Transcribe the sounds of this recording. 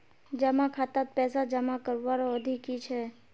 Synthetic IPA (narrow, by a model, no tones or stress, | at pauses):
d͡ʒəmakʰat̪at̪̚pɛːsad͡ʒəmakəɾʋaɾoəd̪ʱikit͡ʃʰɛ